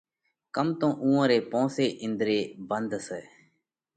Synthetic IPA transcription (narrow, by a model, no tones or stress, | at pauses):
kəmt̪õːʔũːãːɾeːpõːseːʔɪnd̪ɾeːbənd̪seː